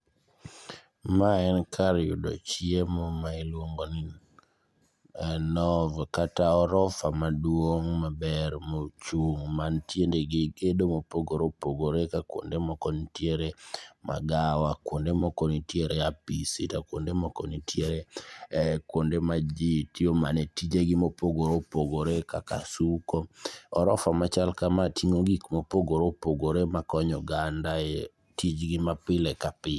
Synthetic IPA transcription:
maɛnkʰaɾjṵdɔ̰t͡ʃjemomailwoŋɡonɪ | nɔvkataɔɾɔfamadwoŋmabɛɾmot͡ʃuŋmantjendeɡɪɡedomopoɡoɾopoɡoɾekakwo̰ndemɔkɔnitjeɾema̰ɡawakwondemɔkɔnitjeɾeapisitakwondemɔkɔnitjeɾe | kwondemad͡ʒitiomanetid͡ʒeɡɪmopoɡoɾopoɡoɾekaka̰sukɔɔɾɔfamat͡ʃalkamatiŋoɡikmopoɡoɾopoɡoɾemakɔɲɔɡandae | tid͡ʒɡɪmapɪlɛkapɪ

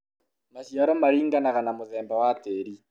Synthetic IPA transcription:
masjaɾomaɾiːŋɡanaɣanamoðɛːmbawateːɾi

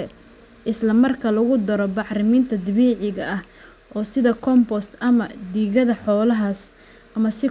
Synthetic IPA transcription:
ɛ | ʔɪslɐmɐrkʰɐlɐɣʊd̪ɐɾɔbɑħrɪmiːnt̪ʰɐd̪ɪβiːʕɪɣɐʔɐh | ʔɔːsɪðɐkʰɔmbɔst̪ʔɐmɐd̪iːɣɐðɐħɔːlɐɦɐs | ʔɐmɐsɪ

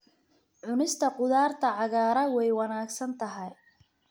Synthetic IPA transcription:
ʕʊnɪst̪ʰɐqʊðaːrt̪ʰɐʕɑɣaːɾɐwɛjwɑnaːɡsɐnt̪ʰɐɦɐj

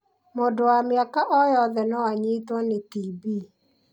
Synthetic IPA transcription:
moːdowameakaʔɔjɔðɛnɔwaɲitwanetibiː

